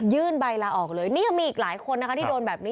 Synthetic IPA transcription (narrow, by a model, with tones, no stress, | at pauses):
jɯː˥˩nba˧jlaː˧ʔɔː˨˩k̚lɤː˧jniː˥˩ja˨˩ŋmiː˧ʔiː˨˩laː˩˦jkʰo˧nːa˦˥a˦˥iː˥˩doː˧nbɛː˨˩p̚ni˦˥